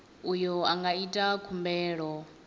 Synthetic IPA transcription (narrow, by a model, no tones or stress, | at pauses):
ujɔaŋɡaitʼakʰumbɛːɺɔ